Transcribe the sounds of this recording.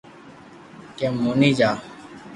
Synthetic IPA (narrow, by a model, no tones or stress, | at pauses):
kemːuːniːd͡ʒaː